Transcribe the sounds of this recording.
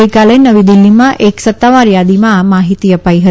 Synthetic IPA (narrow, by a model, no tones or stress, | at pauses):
əjkalenəʋid̪ɪlːimãʔeksət̪ːaʋaɾjad̪imãmaɦit̪iəpaiɦət̪